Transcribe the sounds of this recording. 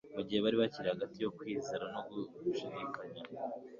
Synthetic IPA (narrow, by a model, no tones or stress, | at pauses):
muɟihe̞βaɾiβaciɾehaɡatijo̞kwiːzeɾano̞ɡuʃidikaɲa